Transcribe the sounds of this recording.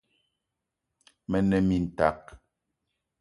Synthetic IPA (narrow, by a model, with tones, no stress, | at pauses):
mɛ˨nɛ˨mi˨n̩˨ta̰˨k̚